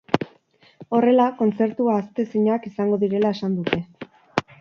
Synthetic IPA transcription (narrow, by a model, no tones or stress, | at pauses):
o̞re̞lako̞nt͡se̞ɾt̪uaːst̪e̞siɲoakisaŋɡo̞ðiɾe̞laesand̪ut̪e̞